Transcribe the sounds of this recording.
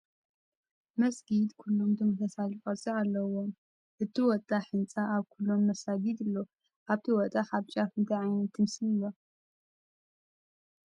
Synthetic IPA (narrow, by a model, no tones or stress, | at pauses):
mɐsɡid̪kʰulːo̞md̪ɨmɨt̪ʰɐsalikʼɐt͡sʼialːɐwom | ʔɨt̪ʰiwɔt̪ʼaħɨnt͡sʼaʔaβkʰulːo̞mːɐsaɡid̪ɨlːo | ʔaβt̪ʰiwɔt̪ʼaħaβt͡ʃʼafɨnt̪ʰaʕajnɐt̪ʰɨmsɨnilo